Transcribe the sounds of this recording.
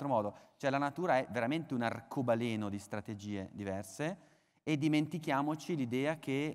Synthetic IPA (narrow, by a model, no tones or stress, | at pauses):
t̪ɾomɔːd̪ot͡ʃoɛlanat̪uːɾaɛveɾament̪eunarkʰobaleːnod̪ist̪ɾat̪ed͡ʒiːed̪ivɛrseː | d̪ːiment̪ikjaːmot͡ʃilid̪ɛːakʰe